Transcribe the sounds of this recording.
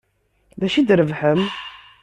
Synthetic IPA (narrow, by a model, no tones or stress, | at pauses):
ðæʃid̪ɾəvħəm